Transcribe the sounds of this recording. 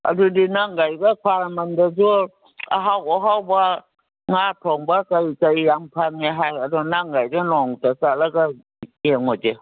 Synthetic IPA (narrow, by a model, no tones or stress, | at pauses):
a̰dudinaŋɡajɡakʰwaɾamandazu | a̰ɦawɔɦawba | ŋatʰɔŋbakajkajːaŋpʰaneɦajadɔnaŋɡajɡanɔŋtasalaɡa | eŋɔd͡ʒe